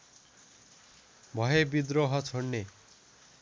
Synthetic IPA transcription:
bʱʌɦebid̪ɾoɦʌt͡sʰoɳːe

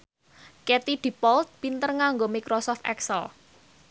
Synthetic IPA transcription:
ket̪id̪̥i̤pɔlt̪̚pint̪ərŋaŋɡomikɾosɔft̪ɛ̰ksə̰l

